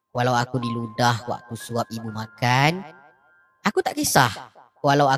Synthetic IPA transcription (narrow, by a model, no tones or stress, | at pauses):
walawakudiludahwa̰ʔkusuap̚ibumakan | akut̪aʔkisah | walawa